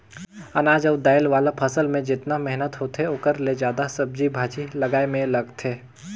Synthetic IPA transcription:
ɐnaːd͡ʒəʋd̪aːjəlʋaːlapʰɐsəlmẽd͡ʒɪt̪namɛɦnət̪ɦoːt̪ɦeoːkəɾled͡ʒaːd̪asɐb̚d͡ʒibʱaːt͡ʃilɐɡaːemẽlɐɡt̪ʰeː

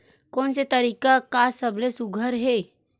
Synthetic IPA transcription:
koːnset̪əɾikakasəblesuɡʱəɾɦe

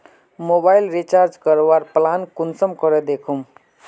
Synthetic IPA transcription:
mobailɾit͡ʃaɾd͡ʒkəɾowaɾplankunsəmkɔɾed̪ekʰum

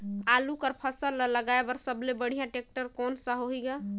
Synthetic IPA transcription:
alukəɾpʰəsəlːələɡaebəɾsəblebəɽ̤ijãʈek̚ʈəɾkɔnsəɦoɦiɡa

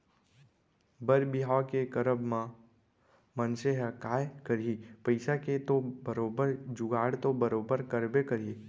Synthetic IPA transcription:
bəɾbɪɦaːkekəɾəbmã | mənseɦəkaːjkəɾipəɪsaket̪obəɾoːbəɾd͡ʒʊɡaːɽt̪obəɾoːbəɾkəɾbekəɾiː

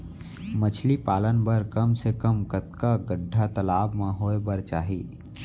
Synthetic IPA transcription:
mət͡ʃʰlipaːlənbəɾkəmsekəmkət̪kaɡəɖʱːat̪əlaːbmãɦoːebəɾt͡ʃaːɦiː

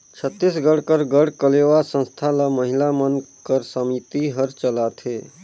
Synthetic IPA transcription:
t͡ʃʰət̪ːisɡəɽkəɾɡəɽkəlewasə̃nst̪ʰaləməɦilamənkəɾsəmit̪iɦəɾt͡ʃəlat̪ʰe

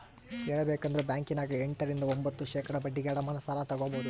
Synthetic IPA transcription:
ɛːɭɐbeːkɐnd̪ɾebʲjaːŋkinaːɡɐeɳʈɐɾind̪ɐombɐt̪ːuʃeːkɐɽɐbɐɖːiɡeːɽɐmɐnɐsɐlat̪ɐɡoːboːd̪u

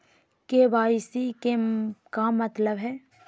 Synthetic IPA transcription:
kebaːɪsikekamɐt̪ləbɦɛː

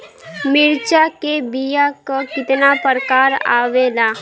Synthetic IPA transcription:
mɪɾt͡ʃakebijakakɪt̪napəɾəkaːɾa̰ːʋeːlaː

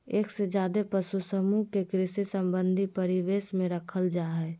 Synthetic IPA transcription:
eːksed͡ʒjaːd̪epəsusəmukekɾɪsisəmbə̃nd̪ʱipəɾiʋeːsmẽɾəkʰəld͡ʒaːɦɛ

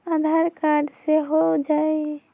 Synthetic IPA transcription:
ad̪ʱaɾkaɾɖseɦod͡ʒae

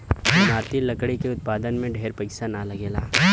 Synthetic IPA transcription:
mʱaːɾt̪ilɐkɽikeʊt̪̚paːd̪ənmẽɖʱeːɾpəsanalɐɡeːlaː

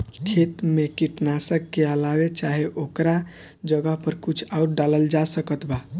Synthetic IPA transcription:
kʰet̪mekiʈnasəkːeəlabet͡ʃaɦeʔokɾa | d͡ʒəɡəɦpəɾkut͡ʃʰauʈ̚ɖaləld͡ʒasəkət̪ba

